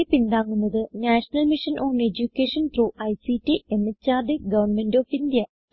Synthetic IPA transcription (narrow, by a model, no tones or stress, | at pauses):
pind̪aːŋːunːɐðɨnaːʂɐnɐlmiʂɐnʔo̞ːɳed͡ʑukːeːʂɐnt̪ruːʔɐjsitːiʔemːet͡ɕːaːrd̪iɡɐʋɐnmendoːfind̪jɐ